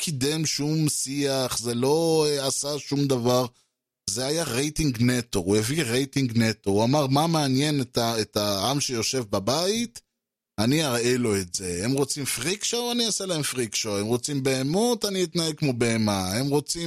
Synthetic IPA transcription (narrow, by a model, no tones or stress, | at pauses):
kʰid̪emʃumsiaχze̞lo̞asaʃumd̪avaʁ | zeajaʁejtiŋɡnet̪oueviʁejtiŋɡnetouamaʁmameanje̞netaetaamʃe̞jo̞ʃevbabait̪ | aniaʁelo̞etze̞emʁo̞t͡simfʁikʃoaniaselaemfʁikʃoemʁo̞t͡simbe̞ːmot̪aniit̪naeɡkmobe̞emaemʁo̞t͡si